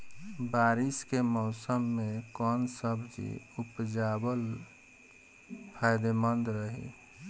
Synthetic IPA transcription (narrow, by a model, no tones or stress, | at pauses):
baːɾiskemɔːsəmːẽkɔːnsəbd͡ʒḭupd͡ʒaːbəl | pʰajd̪emənd̪ɾəɦḭ